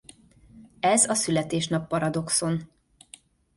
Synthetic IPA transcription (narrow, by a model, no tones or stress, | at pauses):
ɛzɒsylɛt̪eːʃnɒpːɒɾɒd̪o̞kso̞n